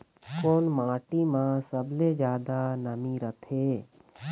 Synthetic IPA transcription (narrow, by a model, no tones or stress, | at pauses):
koːnmãːʈimãsəbled͡ʒjaːd̪anəmiɾət̪ʰeː